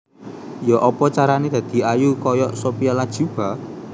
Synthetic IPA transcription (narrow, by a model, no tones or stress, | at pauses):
jɔʔɔpɔt͡ʃaɾaned̪̥ä̤d̪̥i̤ʔajukɔjɔʔsopijalad̥ʒ̥ṳb̥a̤